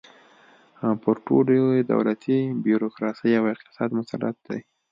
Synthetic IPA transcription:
pəɾʈo̰lod̪a̰wlat̪ʰibjuɾokɾɑsəjawɪqt̪ɪ̥sɑd̪mʊsala̰t̪̚d̪aj

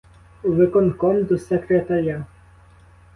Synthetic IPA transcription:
uʋɪkɔnkɔmd̪usɛkɾet̪ɐɾʲa

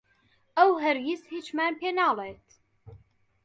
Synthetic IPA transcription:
əwɦəɾjishit͡ʃmænpenaːlˤeːt̪

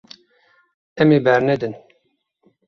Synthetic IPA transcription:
ɛmeːbɛɾnɛd̪ɨn

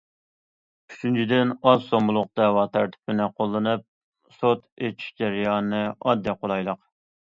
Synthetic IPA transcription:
yt͡ʃʰynt͡ʃʰid̪ɪnɑzsomulˠʊq̚t̪ɑwɑt̪ʰæɾt̪ʰɪ̥pʰɪnɪqʰolˠːɨnɨp̚ | sot̪et͡ʃʰi̥ʃd͡ʒæɾjɑːnɨɑd̪ːiqolˠɑjlˠəq

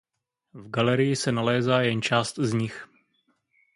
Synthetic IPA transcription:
vɡalɛɾɪjɪsɛnalɛːzaːjɛnt͡ʃaːst̪zɲɪx

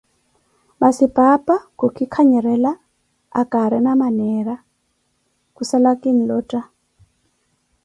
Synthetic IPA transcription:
basipʼapʼakukʰʼikʰaɲɛɾɛla | a̰kʼaɾɛnamanɛɾa | kusalakʼinilɔːtʼa

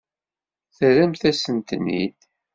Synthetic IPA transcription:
θəɾæmθæsənt̪nḭd

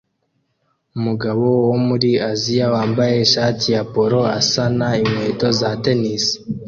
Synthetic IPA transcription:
umuɡaβo̞womuɾiazijawaːmbaje̞ʃaːtiapo̞ɾo̞asanaimwe̞ːto̞zate̞nis

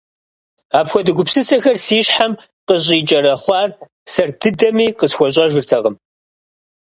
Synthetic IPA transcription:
aːpxʷɔdɨɡʷʊpsɨsɐxɐrsiːɕħam | qəɕ̬ʼiːt͡ʃʼɐɾɐχʷɑːr | sɐrdɨdɐmiːqəsxʷɔɕʼɐʒɪrtʰɐʁəm

